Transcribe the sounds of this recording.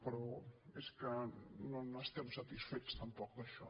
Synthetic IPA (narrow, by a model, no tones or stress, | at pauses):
pəɾɔeskənõnast̪ɛmsat̪isfet̪st̪ampɔkd̪aʃɔ